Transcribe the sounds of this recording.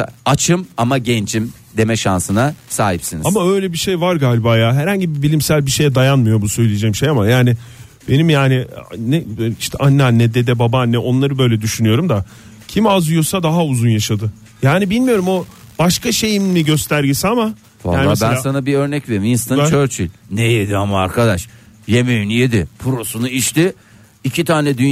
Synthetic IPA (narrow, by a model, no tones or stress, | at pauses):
at͡ʃʰɯmamaɟɛnd͡ʒim | d̪emɛʃansɯnasaːɦipsinizamaø̞jlʲɛbiʃejvaɾɡaːlʲibaːjaːɦɛɾhaɲɟibibilʲimsælʲbiʃe̞jɛd̪ajanmɯjo̞busø̞jlʲijed͡ʒɛcmʃejamajaːnɪ | be̞nimjaːnɪnɛiʃt̪ʰɛ̰ʔanːanːɛd̪ed̪ɛbabanːɛʔo̞nlˠaɾɯbø̞jlʲɛd̪yʃynyjo̞ɾumd̪a | cʰimazujo̞sad̪aɦauzunjaʃad̪ɯ | jaːnibilʲmijo̞ɾumo̞b̥aʃkʰaʃe̞jimmiɟø̞st̪ʰæɾɟesiama | a̰aːnˠabænssanabiøɾnɛcve̞ɾiminst̪ant͡ʃt͡ʃʰøɾt͡ʃʰy̰lʲnejed̪iamaːɾkʰad̪aʃ | je̞mejynjed̪ɪpʰuɾo̞sunuiʃt̪ɪ | icʰit̪ʰaːnɛd̪yn